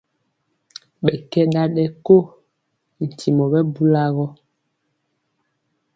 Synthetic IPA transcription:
ɓɛ˨kɛ˦ɗa˦ɗɛ˦ko˦˨ | n̩˨tʰi˨mɔ˨ɓɛ˦bu˦la˦ɣɔ˦

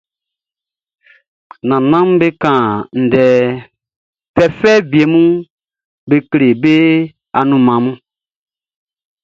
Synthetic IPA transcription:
nã˨nã˦m˦be˦kã˨n̩˨dɛ˨ | pɛ˨fɛ˦bi˨e˨mũ˦ | be˦kle˨be˦ | a̰˨nũ˨mã˨mũ˦

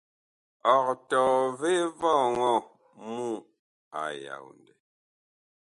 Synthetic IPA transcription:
ɔ˨k̚tɔː˨ve˦vɔ˦˨ŋɔ˦˨ | mu˦ | a˨ja̰˨wn˨dɛ˨

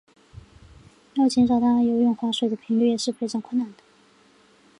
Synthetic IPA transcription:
jɑ˥˩t͡ɕjɛ˧˥nʂɑ˨˩ʊt̪ʰa˥a˥˧jo˧˥ʊjɔ˥˩ŋxwa˧˥ʂwe˨˩ɪd̪ə˩pʰi˧˥ŋly˥˧jɛ˨˩ʂɻ̩˥˩pʰe˧˥ʈ͡ʂɑ˨˥ŋkʰwə˥˩nna˨˩nd̪ə̥˦

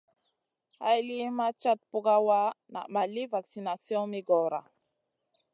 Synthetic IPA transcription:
ha˦jli˦ma˦t͡ʃa˦t̪̚pu˦ɡa˦wa˦na̰˨ma˨li˦va˨ksi˨na˨sjɔ̃˦mi˦ɡɔ˨ɾa̰˨

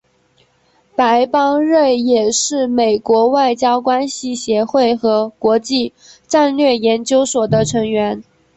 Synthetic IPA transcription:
pa˧˥ɪpɑ˥ŋɻe˥˩ɪjɛ˨˩ʂɻ̩˥˩me˨˩ɪkwɔ˧˥wa˥˩ɪt͡ɕjɑ˥ʊkwa˥nɕi˨ɕjɛ˧˥xwe˥˩ɪxɤ˧˥kwɔ˧˥t͡ɕi˥˧ | ʈ͡ʂa˥˧nlɥɛ˥˩jɛ˧˥nt͡ɕjo˥ʊswɔ˨˩d̪ə˦ʈ͡ʂʰɤ˧˥ŋɥɛ˧˥n

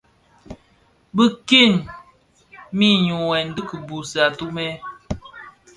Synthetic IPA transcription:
bə˦ki˦˨n | mi˦˨ɲu˨wɛ˨n˨˦dɨ˦kə˨bu˨sa˨tu˦mɛ˦

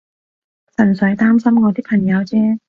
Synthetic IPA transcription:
sɐ˨˩nsɵ˨˥jt̪aː˥msɐ˥mŋɔː˨˧t̪iː˥pʰɐ˨˩ŋjɐ˨˧wt͡sɛː˥

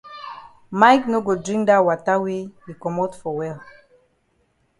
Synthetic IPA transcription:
majkno˦ɡo˨dɹĩ˦ŋkdawa˨ta˦wewi˨kɔ˨motfɔ˨wɛl

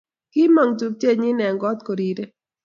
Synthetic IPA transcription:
kɪ˦ma˨ŋt̪u˨p̚t͡ʃe˦ɲɪ˦nɛ˨ŋɡɔ˦t̪ko˨ɾi˨ɾe˦

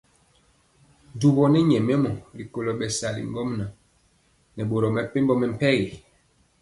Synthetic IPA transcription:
n˨du˨bɔ˨nɛ˦ɲɛ˨mɛ˦mɔ˨li˨ko˨lo˨ɓɛ˨sa˨lḭ˨ŋɡɔ˦mna˨ | nɛ˨ɓo˨ɾɔ˨mɛ˨pe˦mbɔ˦mɛ˨m̩˦pɛ˦ɣe˨

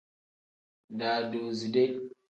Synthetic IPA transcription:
daː˨doː˨zi˨dɛ˦j

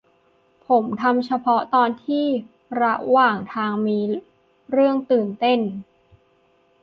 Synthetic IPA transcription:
pʰo˩˦mt̪ʰa˧mt͡ɕʰa˧pʰɔ˦˥t̪ɔː˧nt̪ʰiː˥˩ | ɾa˦˥ʔwaː˨˩ŋt̪ʰaː˧ŋmiː˧ | ɾɯ˥˩əŋt̪ɯː˨˩nt̪e˥˩n

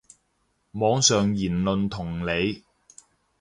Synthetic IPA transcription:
mɔː˨˧˥ŋsœː˨ŋjiː˨˩nlɵ˨nt̪ʰʊ˨˩ŋle˨˧j

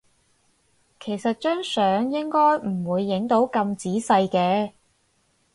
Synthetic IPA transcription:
kʰe˨˩jsɐ˨t̚t͡ʃœː˥ŋsœː˨˥ŋjɪ˥ŋkɔː˥jm̩˨˩wuː˨˧jːɪ˨˥ŋt̪o˨˥wkɐ˧mt͡siː˨˥sɐ˧jkɛː˧

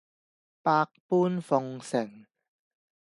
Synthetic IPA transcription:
paː˧k̚puː˥nfɔ˧ŋsɪ˨˩ŋ

